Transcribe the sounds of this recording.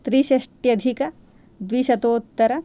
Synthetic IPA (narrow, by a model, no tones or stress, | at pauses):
t̪ɾiːʃɐʃʈjɐd̪ʱikɐ | d̪ʋiʃɐt̪oːt̪ːɐɾɐ